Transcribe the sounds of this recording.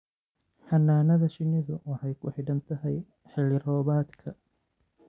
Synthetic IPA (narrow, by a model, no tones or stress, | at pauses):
ħɐnːaːnɐðɐʃɪnɪðʊwɑħɑjkʰʊħɪɖɐmt̪ʰɐɦɛj | ħɪlɪɾɔːβaːd̪kʰɐ